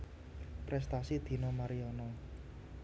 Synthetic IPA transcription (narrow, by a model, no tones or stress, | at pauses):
pɾɛst̪asid̪̥i̤nɔmaɾiɔnɔ